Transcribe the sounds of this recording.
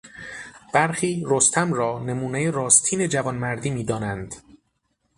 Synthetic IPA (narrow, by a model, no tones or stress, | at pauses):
b̥æɾxiːɾost̪ʰæmɾɒːne̞muːnejeɾɒːst̪ʰiːne̞d͡ʒævɒnmæɾd̪iːmiːd̪ɒːnænd̪